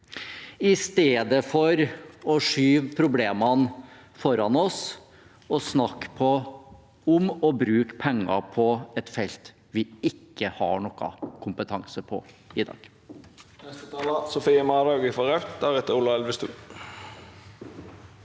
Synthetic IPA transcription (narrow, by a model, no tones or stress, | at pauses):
ɪst̪eːd̪əfɔɾɔʂyːʋpʰɾʊbleːmɑn | fɔɾɑnɔs | ɔsnɑkːpʰɔ | ʊmɔbɾʉːkpʰɛŋːɑ̰pʰɔɛt̪fɛlt̪ | ʋɪɪkːəhɑ̰ɳɔkːɑ̰kʰʊmpət̪ʰɑŋsəpʰɔ̰ | ɪd̪ɑ̰ːɡ̥ | nɛst̪ət̪ʰɑːlɑsʊfiːəmɑd̪ɑɡɪfɔʁɑʉt̪d̪æɾɛt̪əʊlːɑɛlʋəst̪ʉ̰ː